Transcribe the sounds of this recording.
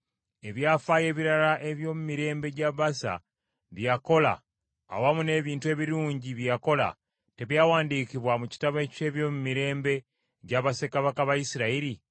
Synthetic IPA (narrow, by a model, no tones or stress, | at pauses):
e̞βjafaje̞ːβiɾalaʔe̞βjo̞ːmumiɾe̞ːmbe̞ɟaβasa̰ | βjako̞la̰ː | wamune̞βiːntue̞ːβiɾuːɲɟiβjako̞la̰ | te̞βjawaːndiːkiβwamuci̥taβe̞ce̞ːβjo̞ːmumiɾe̞ːmbe̞ | ɟaβase̞kaβakaβaisiɾaiɾi